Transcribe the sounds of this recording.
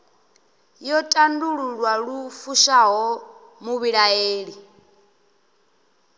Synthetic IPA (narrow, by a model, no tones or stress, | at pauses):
jɔtʼanduɺuɺwaɺufuʃaɦɔ | muβiɺaeːɺi